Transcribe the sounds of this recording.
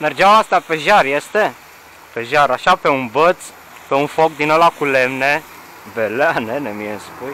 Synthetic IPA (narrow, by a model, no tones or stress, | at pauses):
merd͡ʒeamast̪ape̞ʒarjest̪e̞ | pe̞ʒaɾaʃape̞unbət̪s | pe̞unfok̚d̪inolakulemne | beleanenemijeɨnspuj